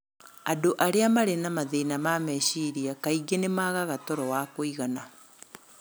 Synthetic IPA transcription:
adoʔaɾeamaɾenamaðenamamɛɕiɾiakaiɡenemaːɣaɣatɔɾɔwakoiɣana

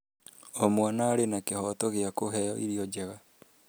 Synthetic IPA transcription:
omwanaːɾenakehɔtɔɣeakoɦɛjɔʔiɾiɔd͡ʑɛɣa

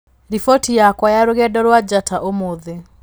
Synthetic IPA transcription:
ɾifɔtijakwajaɾoɣɛdɔɾwad͡ʒatʰaʔomoðe

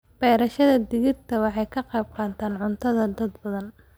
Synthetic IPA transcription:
b̥ɛːɾɐʃɐðɐd̪ɪɣɪrt̪ʰɐwɑħɑjkʰɐqɑjb̚qɑːnt̪ʰaːnʕʊnt̪ʰɐðɐd̪ɐd̪bɐðɐn

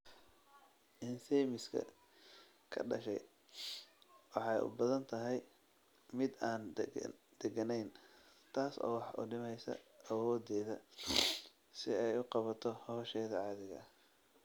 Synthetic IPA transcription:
ʔɪnsɛjmɪskʰɐ̰ | kʰɐ̰ɖɐ̰ʃɛ̰j | wɑħɑjʔʊ̰bɐðɐnt̪ʰɐɦɛj | mɪd̪aːn | d̪̥ɛɡɐnɛjn | t̪ʰaːsɔ̰ːwɑħʔʊ̰ɖɪmɛjsɐ̰ɐwɔːd̪ɛːðɐ | sɪɛjʊqɑβɐt̪ʰɔhɔːʃɛːðɐʕɑːðɪɣɐ̰

